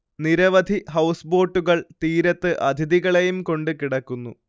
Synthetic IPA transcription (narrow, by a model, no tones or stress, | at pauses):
niɾɐʋɐd̪ʱiɦɐwsbo̞ːʈːuɣɐɭt̪iːɾɐt̪ːɨʔɐd̪ʱiðiɣɐɭejumko̞ɳɖɨkiɽɐkːunːṵ